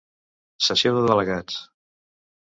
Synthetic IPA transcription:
səsioðəðələɣat͡s

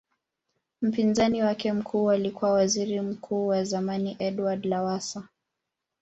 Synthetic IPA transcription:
m̩pinzaniwakɛm̩kʰuːalikuwawaziɾim̩kʰuːwazamaniʔɛɗwadlawasa

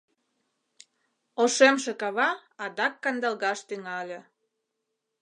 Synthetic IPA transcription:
oʃemʃĕkɑβɑɑd̪ɑkːɑnd̪ɑlɣɑʃt̪yŋɑlʲĕ

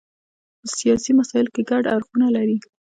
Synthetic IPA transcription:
pəsijɑsimasɑjɪlkeɡaɖaɾxunalaɾi

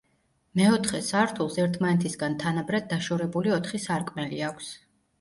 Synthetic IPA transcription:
mɛɔt̪ʰχɛsaɾt̪ʰulˠsɛɾt̪ʰmanɛt̪ʰisɡant̪ʰanabɾad̪̚d̪aʃɔɾɛbuliɔt̪ʰχisaɾkʼmɛliakʷʰs

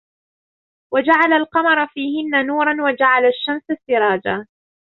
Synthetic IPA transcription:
wad͡ʒaʕalalqɑmɑɾˤfiːhɪnːanuːɾˤɑnwad͡ʒaʕalaʃːamsasːɪɾˤɑːd͡ʒa

